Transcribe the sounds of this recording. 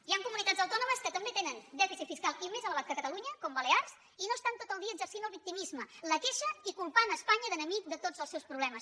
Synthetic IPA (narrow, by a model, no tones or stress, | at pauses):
iaŋkumunit̪adzəwt̪ɔnuməskət̪əmbet̪enənd̪ɛfisit̪fiskalˠimezələβat̪̚kəkət̪əluɲəkɔmbəlearz | inost̪ant̪ot̪əlˠd̪iəɡzəɾsinəlˠβik̚t̪imizmələkeʃəikumpanəːspaɲəðənəmik̚d̪ət̪od͡zəlˠsɛwspɾuβlɛməs